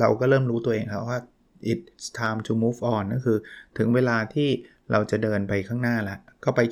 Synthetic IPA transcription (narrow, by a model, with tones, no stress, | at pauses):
ɾa˧wkɔː˥˩ɾɤː˥˩mɾuː˦˥t̪u˧ɐʔeː˧ŋkʰa˦˥p̚waː˥˩ | ʔi˨˩t̪̚st̪ʰaː˧mt͡ɕʰuː˧muː˦˥fʔɔː˨˩nːa˥˩kʰɯː˧t̪ʰɯ˩˦ŋweː˧laː˧t̪ʰiː˥˩ | ɾʔa˧wt͡ɕa˨˩dɤː˧npa˧jkʰaː˥˩ŋnaː˥˩la˦˥ʔkɔː˥˩pa˧j